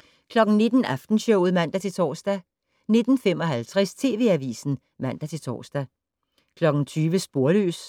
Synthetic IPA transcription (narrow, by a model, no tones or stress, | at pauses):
kʰlɒ̽ɡ̥n̩ne̝d̥n̩æfd̥n̩ɕɔʊð̩ˠmæn̰d̥æt͡sʰe̝t͡sʰɒ̰ːsd̥æ | ne̝d̥n̩fem̰ɒ̽ɦælt͡sʰʁɛst͡sʰe̝̰ːʋe̝æʋḭːsn̩ | mæn̰d̥æt͡sʰe̝t͡sʰɒ̰ːsd̥æ | kʰlɒ̽ɡ̥n̩t͡sʰyːʋəsb̥o̝ɐlø̰ːs